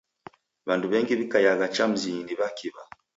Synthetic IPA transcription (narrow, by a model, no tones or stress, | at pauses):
βanduβɛŋɡiβikajaɣat͡ʃam̩ziɲiniβakiβa